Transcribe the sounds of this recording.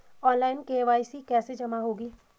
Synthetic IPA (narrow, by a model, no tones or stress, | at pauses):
ɔːnlaːɪnkeːʋaːisikɛːsed͡ʒɐmaɦoːɡiː